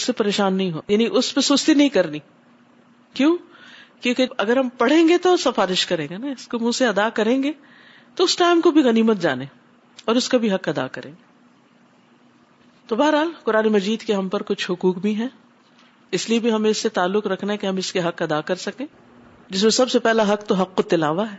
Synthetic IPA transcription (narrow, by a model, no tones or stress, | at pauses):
sːepɐɾeːʃaːnːɐɦĩɦo̰ːjaːniʔʊspesʊst̪inɐɦĩkɐɾniː | kjõː | kõːkeɐɡəɾɦɐmpɐɽ̤ẽːŋɡet̪osɐfaːɾɪʃkɐɾẽːŋɡanaɪskomũːseɐd̪akɐɾẽːŋɡe | t̪oʊsʈaːɪmkobʱiɣɐniːmət̪̚d͡ʒa̰ːneː | ɔːɾʊskabʱiɦɐqɐd̪a̰kɐɾḛ̃ːŋɡe | t̪obaːɾɦaːlqʊɾaːnemɐd͡ʒiːd̪keɦɐmpɐɾkʊt͡ʃʰhʊkuːkbʱiɦɛ̃ | ɪsliebʱiɦɐmẽɪsːet̪aːlːʊqɾɐkʰnaɦɛkeɦɐmɪskeɦɐqɐd̪akɐɾsɐkẽː | d͡ʒɪs̬mẽsɐbsepɛɦlaɦɐqt̪oɦɐqːot̪ɪla̰ːʋaɦɛː